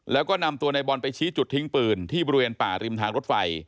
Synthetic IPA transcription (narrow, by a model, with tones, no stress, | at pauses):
lɛː˦˥wkɔː˥˩na˧mt̪u˧ɐna˧jbɔ˧npa˧jt͡ɕʰiː˦˥t͡ɕu˨˩t̪ʰːi˦˥ŋpɯː˧nt̪ʰiː˥˩bɔː˧ɾi˧weː˧npaː˨˩ɾi˧mt̪ʰaː˧ŋɾo˦˥t̪̚fa˧j